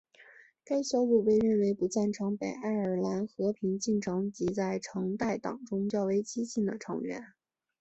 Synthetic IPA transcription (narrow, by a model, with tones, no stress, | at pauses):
ka˥ɪɕjɑ˥ʊlu˥˧˩pe˥˧ɪɻə˥˩nwe˧˥ɪpu˧˥t͡sa˥˩nʈ͡ʂʰɤ˧˥ŋpe˨˩ɪa˥˩ɪə˞˨˩la˧˥nxɤ˧˥pʰi˧˥ŋt͡ɕi˥˩nʈ͡ʂʰɤ˧˥ŋt͡ɕi˧˥t͡sa˥˩ɪʈ͡ʂʰɤ˧˥ŋt̪a˥˩ɪt̪ɑ̰˨˩ŋʈ͡ʂʊ˥ŋt͡ɕjɑ˥˩ʊwe˧˥ɪt͡ɕi˥ɕi˥˩nd̪ə˩ʈ͡ʂʰɤ̰˧˥ŋɥɛ̰˧˥n